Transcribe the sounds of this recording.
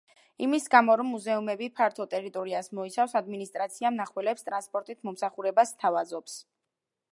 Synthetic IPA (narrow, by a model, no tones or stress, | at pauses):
imisɡamɔɾɔmːuzɛumɛbipʰaɾt̪ʰɔt̪ʼɛɾit̪ʼɔɾiasmɔit̪sʰafsad̪minist̪ʼɾat̪sʰiamnaχwɛlɛpst̪ʼɾanspʼɔɾt̪ʼit̪ʰmɔmsaχuɾɛbast̪ʰavazɔps